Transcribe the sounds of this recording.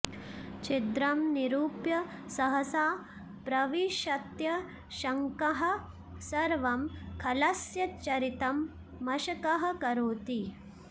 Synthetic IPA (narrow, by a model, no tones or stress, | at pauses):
t͡ʃid̪ɾɐmniɾuːpjɐsɐɦɐsaː | pɾɐʋiʃɐt̪jɐ | ʃɐŋkɐɦɐ̆ | sɐɾʋɐmkʰɐlɐsjɐt͡ʃɐɾit̪ɐmː | ɐʃɐkɐɦɐ̆kɐɾoːt̪i